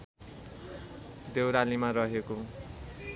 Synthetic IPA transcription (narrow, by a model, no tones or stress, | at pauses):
d̪ewɾalimaɾʌɦeko